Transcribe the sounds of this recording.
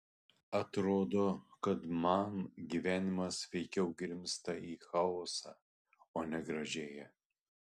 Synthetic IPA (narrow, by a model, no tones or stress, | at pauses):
ɐt̪ɾoːd̪oːkɐt̪mɐnɡʲiʋʲæːnʲɪmɐsʋʲɛɪkʲɛʊɡɾʲɪmʲst̪ɐiːxɑɔːsɑː | oːnʲɛɡɾɐʒʲeːjɛ